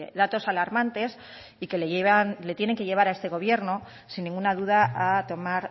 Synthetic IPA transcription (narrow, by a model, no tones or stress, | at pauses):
eðat̪o̞salaɾmãnt̪e̞s | ike̞leeβanlet̪jene̞ŋke̞ʝe̞β̞aɾae̞st̪e̞ɣ̞o̞β̞je̞ɾno̞ | sinːĩŋɡunaðuðaat̪o̞maɾ